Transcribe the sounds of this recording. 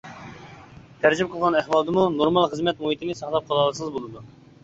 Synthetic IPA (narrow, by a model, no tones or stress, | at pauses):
t̪ʰæɾd͡ʒimp̚qʰəlˠʁɑnæhwɑlˠd̪ɨmunoɾmɑlˠχəzmɛt̪̚moɦit̪ʰɪnɪsɑχlˠɑp̚qʰɑlˠɑlˠsɨzbolˠɨd̪u